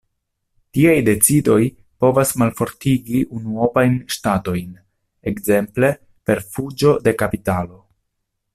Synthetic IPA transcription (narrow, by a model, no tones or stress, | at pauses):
tiajde̞t͡sido̞j | po̞vasmalfo̞ɾtiɡiʔunuovajnʃtato̞jn | ekze̞mple̞ | pe̞ɾfud͡ʒo̞de̞kapitalo̞